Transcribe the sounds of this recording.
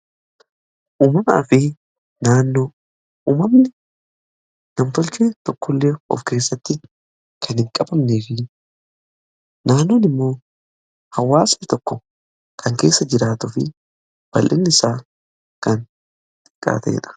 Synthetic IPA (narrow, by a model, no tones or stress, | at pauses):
ʔuːmɐmɐɐ̰fɪ | naːnːoː | uːmɐmnɪ | nɐmt̪ɔlt͡ʃeːt̪ɔkːɔlːeːɔ̰fke̞ːsːɐt̪ːɪ | kʰɐnhɪŋkʼɐbɐmneːfɪ | naːnːoːnɪmːo̞ː | hɐwːaːsɐt̪ɔkːɔ | kʰɐŋke̞ːsːɐd͡ʒɪɾaːt̪ʊfɪ̰ | b̥ɐlʔɪnːɪɪsaː | kɐn | t̪ʼɪ̥kʼːa̰ːt̪ɛ̰ɛ̰ᶑɐ̥